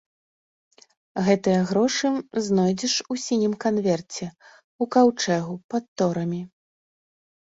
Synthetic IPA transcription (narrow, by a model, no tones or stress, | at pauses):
ɣɛt̪ɨjɐɣɾɔʂɨznɔjd͡zʲɛʂusʲinʲimkanvʲɛrt͡sʲɛ | ukawt͡ʂɛɣupat̪ːɔɾɐmʲi